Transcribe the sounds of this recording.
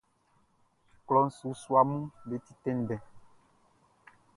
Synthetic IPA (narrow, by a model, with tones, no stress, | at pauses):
klɔ˨n̩˨su˨˦swa˨mũ˦le˨˦ti˦tɛ̃˦n˨dɛ̃˨